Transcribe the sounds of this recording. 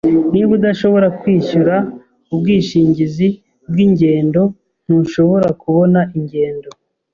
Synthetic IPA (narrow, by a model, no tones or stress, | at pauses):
niβudaʃo̞βo̞ɾakwiːʃuɾa | ub̚ɡiːʃiːɲɟizi | bɡiːɲɟe̞ːndo̞ | n̥huʃo̞βo̞ɾakuβo̞naʔiɲɟe̞ːndo̞